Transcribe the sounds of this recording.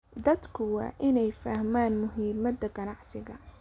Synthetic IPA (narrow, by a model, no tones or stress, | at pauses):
d̪ɐd̪kʰʊwɑ̰ːʔɪnɛjfaːhmaːnmʊɦiːmɐd̪ɐɡɐnɑʕsɪɣɐ